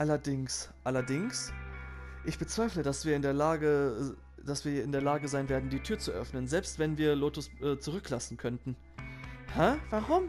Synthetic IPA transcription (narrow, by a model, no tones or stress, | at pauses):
ʔalɐdɪŋsʔalɐdɪŋs | ʔɪçb̥ət͡sv̥aɪflədasv̥iːɐɪndeːɐlaːɡə | d̥asv̥iːɐɪndeːɐlaːɡəzaɪnveːɐdn̩diːtʰyːɐt͡suʔœ̰fnənzɛlpstv̥ɛnviːɐloːtʊsʔɛːt͡suʁʏklasn̩kʰœntn̩ | hɛvaʁʊm